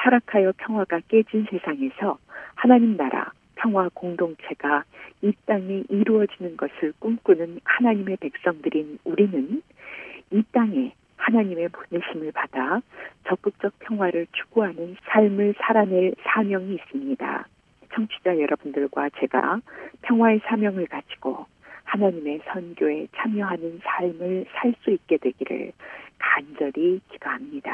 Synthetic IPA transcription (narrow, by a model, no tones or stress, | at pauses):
tʰaɾakʰajʌpʰjʌŋɦwaɡak͈e̞d͡ʑinsʰe̞sʰaŋe̞sʰʌhanaɲimnaɾa̰ | pʰjʌŋɦwakoŋdoŋt͡ɕʰe̞ɡ̥ait͈aŋe̞ʔiɾuʌd͡ʑinɯnɡʌsʰɯɭk͈umk͈unɯnhanaɲime̞pe̞k̚s͈ʌŋdɯɾinuɾinɯn | it͈aŋe̞ | hanaɲime̞poneɕʰimɯɭpad̥at͡ɕʌk̚p͈ɯk̚t͡ɕ͈ʌk̚pʰjʌŋɦwaɾɯɭt͡ɕʰu̥ɡuɦanɯnsʰaɭmɯɭsʰaɾaneɭsʰamjʌŋiːs͈ɯmɲida̰ | t͡ɕʰʌŋt͡ɕʰi̥d͡ʑajʌɾʔʌbundɯɭɡwat͡ɕe̞ɡa̰pʰjʌŋɦwae̞sʰamjʌŋɯɭkat͡ɕʰi̥ɡ̥o | hanaɲime̞sʰʌnɡjoe̞t͡ɕʰamjʌɦanɯnsʰaɭmɯɭsʰaɭs͈uik̚k͈e̞dwe̞ɡiɾɯ̰ɭkand͡ʑʌɾikid̥aɦamɲid̥a̰